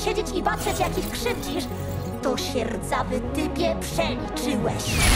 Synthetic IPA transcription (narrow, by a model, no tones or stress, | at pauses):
ɕed͡ʑet͡ɕipatʂɛt͡ɕjakʲixkʂɘvd͡ʑiʂ | t̪ɔɕɛɾd̪zavɘt̪ɪbʲjɛpʂɛlʲit͡ʂɘwɛɕ